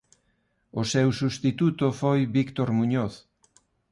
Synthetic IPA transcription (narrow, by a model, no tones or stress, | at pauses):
osewsust̪it̪ut̪ofojβikt̪oɾmuɲoθ